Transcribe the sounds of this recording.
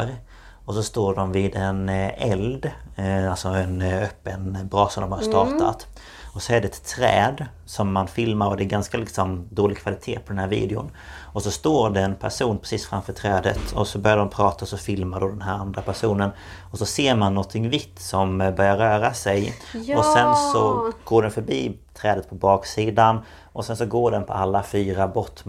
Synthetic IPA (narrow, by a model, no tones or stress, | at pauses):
ɾ | ɔsɔst̪oːɖɔmvɪːd̪ɛnɛld̪alsɔɛnœpːənbɾɑːsɔmd̪ɔmhast̪ɑːt̪a̰t̪ | ɔsɔɛɖɛɛt̪ʰːɾɛ̰ːd̪ | sɔmːanfɪlmaɾɔd̪ɛːɾɡanskalɪksɔmd̪oːlɪɡ̚kʰvalɪt̪ʰḛːpʰɔd̪ɛnhæːɾvḭːd̪ɪʊ̰n | ɔsɔst̪oːɾɖɛɛnpʰæʂuːnpʰɾɛsiːsfɾa̰mfœːʈʰɾɛːd̪ə̰t̪ʰɔsɔbœɾjadɾɔmpʰɾɑːt̪aɔsɔfɪlmaɖɔd̪ɛnɦæːɾand̪ɾapæʂuːnən | ɔsɔseːɾmanːɔnt̪ʰːɪŋvɪt̪ːsɔmbœɾjaɾœːɾasɛjɔsɛnsɔɡ̥oːɖɛnfœɾbiːt̪ʰɾɛːd̪ət̪̚pʰɔbɑːksiːd̪an | ʔɔsɛnsɔɡoːɖɛnpʰɔ̰alːafyːɾabɔt̪ː